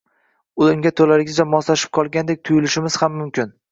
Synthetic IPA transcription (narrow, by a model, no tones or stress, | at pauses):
ʊlʊŋɡʲat̪ʰolaɾɪɡʲɪzd͡ʒamɒslaʃɪ̥p̚qʰɒlˠɡʲand̪ek̚ʲt̪ʰʊjɪlɪʃɪmɪz̥hamːʊmkʲɪn